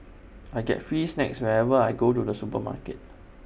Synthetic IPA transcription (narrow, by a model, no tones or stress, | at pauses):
ajɡɛ̰tfɹiːsnɛkswɛɹɛvəajɡotudəsupəma̰kət̚